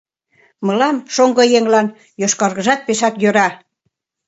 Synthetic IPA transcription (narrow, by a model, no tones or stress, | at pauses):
mə̆lɑmʃoŋɡɤ̆jeŋlɑn | joʃkɑɾɣə̆ʒɑt̪̚peʃɑkjøɾɑ